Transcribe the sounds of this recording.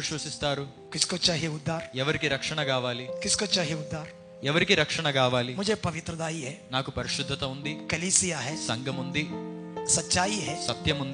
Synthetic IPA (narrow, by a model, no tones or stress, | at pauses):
ʃʋɐsist̪aːɾu | kɪskot͡ʃaːɦieʊd̪ʱːaːɾɛʋɐɾikiɾɐkʂɐɳɐkaːʋaːlikɪskoːt͡ʃaːɦieʊd̪ʱːaːɾ | ɛʋɐɾikiɾɐkʂɐɳɐkaːʋaːlimʊd͡ʒʱepɐʋɪt̪ɾɐd̪aːiɦɛːnaːkupɐɾiʃud̪ʱːɐt̪ɐund̪ikɐliːsijaɦɛːsɐŋɡʱɐmund̪isɐtːʃaːiɦɛːsɐt̪jɐmund̪